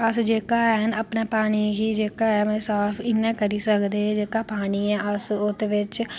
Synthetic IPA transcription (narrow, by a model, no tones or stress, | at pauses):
əsd͡ʒeːkaːɛənəpneːpaːɽ̃iːɡiːd͡ʒeːkaːɛːmẽːsaːpʰɪnːɛ̃ːkəɾiːsəkd̪eːd͡ʒeːkaːpaːñiːɛ̃ːʔəsʊt̪ːʋɪt͡ʃ